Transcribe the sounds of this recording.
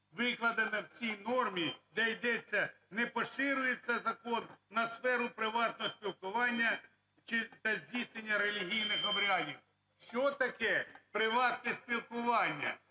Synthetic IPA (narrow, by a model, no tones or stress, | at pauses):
ʋɪklˠɐd̪ɪnɐwt͡sʲijnɔrmʲid̪ɛjd̪ɛt͡sʲːɐ | nɛpɔʃɪɾʊjet͡sʲːɐzɐkɔnːɐsfɛɾʊpɾɪʋɑt̪nɔɦɔsʲpʲilˠkʊʋɑnʲːɐ | t͡ʃɪt̪ɐzʲdʲisʲnʲenʲːɐɾelʲiɦʲijnɪxɔbɾʲɑdʲiw | ʃt͡ʃɔt̪ɐkɛpɾɪʋɑt̪̚nɛsʲpʲilˠkʊʋɑnʲːɐ̰